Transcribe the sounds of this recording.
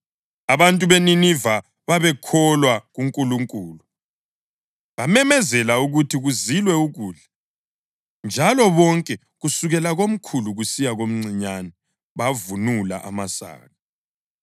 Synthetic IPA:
aβantʼuβeniniva | βaβɛkʰɔlwaɣuŋkʼuluŋkʼuːlu | βamɛmɛzɛlauɣutʰiɣuzilwɛuɣuːɮɛ | nd͡ʒʱalɔβɔŋkʼɛ | ɣusuɣɛlaɣom̩kʰuluɣusijaɣom̩ŋ͡ǀʱiɲanɛ | βavunula̰ʔa̰masa̰ːɣa

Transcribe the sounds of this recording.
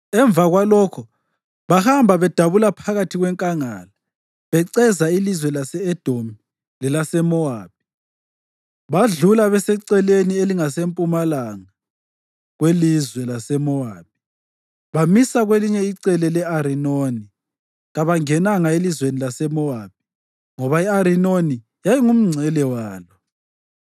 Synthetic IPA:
ɛɱb̪vaɣwalɔkʰɔ | βahambʱaβɛd̥ʱaβulapʰaɣatʰiɣwɛŋkʼaŋa̰la | βɛǀɛzailizwɛlasɛɛd̥ʱomi | lɛlasɛmɔaːβ̥̚ʱi̥ | βaɮulaβɛsɛǀɛlenieliŋasempʼumalaŋa | ɣwelizwɛlasɛmɔaːb̚i̥ | βamisaɣweliɲɛiǀɛlɛlɛaɾinoni | ɣaβaŋɛnaŋaelizwenilasɛmɔaːb̥̚ʱi̥ | ŋɔβaiaɾinoni | jajiŋum̩ŋ͡ǀʱɛlɛwaːlɔ

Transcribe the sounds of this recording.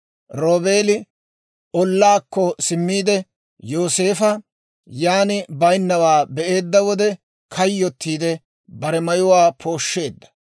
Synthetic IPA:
ɾoːbe̞ːlɪ | ɔlːaːkːɔsɪmːiːd̪ɛ | jo̞ːse̞ːfɐ | jaːnɪbɐjnːɐwaːbɛʔe̞ːd̪ːɐwɔd̪ɛ | kʰɐjːɔt̪ːiːd̪ɛ | bɐɾɛmɐjʊwaːpʰo̞ːʃːe̞ːd̪ːɐ̥

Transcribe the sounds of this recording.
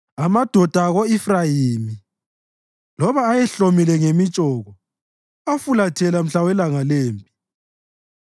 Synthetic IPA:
amad̥ʱɔd̥ʱaɣoifrajimi | lɔβaːjɛɬomilɛŋemit͡ʃʼɔːɣɔ | afulatʰɛlam̩ɬawɛlaŋaleːmpʼi̥

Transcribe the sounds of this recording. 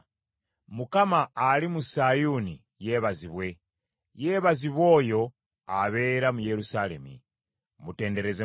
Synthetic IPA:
mukamaːlimusajuni | jeːβaziβwe̞ | je̞ːβaziβwo̞ːjo̞ | aβe̞ːɾamuje̞ɾusale̞̰mḭ | mute̞ːnde̞ɾe̞ze

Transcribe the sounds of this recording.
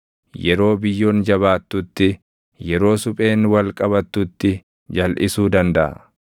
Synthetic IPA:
jɛɾo̞ːbɪjːo̞ːnd͡ʒɐβaːt̪ːʊt̪ːɪ | jɛɾo̞ːsʊpʼe̞ːnwɐlkʼɐbɐt̪ːʊt̪ːɪ | d͡ʒɐlʔɪsuːd̪ɐnd̪ɐʔɐ̰

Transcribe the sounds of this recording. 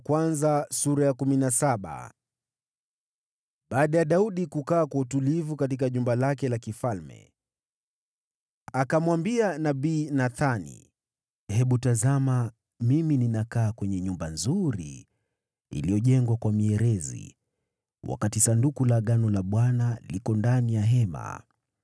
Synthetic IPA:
kwanzasuɾajakuminasaɓa̰ | ɓaːɗajaɗauɗikukaːkwautulivukatik̬aʄumbalakɛlakifalmɛ̰ | akamwambianaɓiːnaθanḭ | hɛɓutazama | mimininakaːkwɛɲɛɲumbanzuɾḭː | lijɔʄɛŋɡwakwamiɛɾɛzḭ | wʔa̰katisandukulaɠanɔlaɓwanalikɔndanijaɦɛma̰

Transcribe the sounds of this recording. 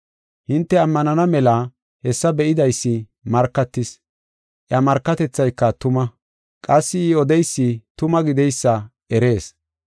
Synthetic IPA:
hɪnt̪ːɛɐmːɐnɐnɐmɛlɐ | hɛsːɐbɛʔɪd̪ɐjsːɪ | mɐɾkːɐt̪ːɪs | ʔjɐmɐɾkːɐt̪ɛt͡sːɐjkːɐt̪ʊmɐ | kʼɐsːɪːɔd̪ɛjsːɪt̪ʊmɐɡɪd̪ɛjsːɐʔɛɾe̞ːs

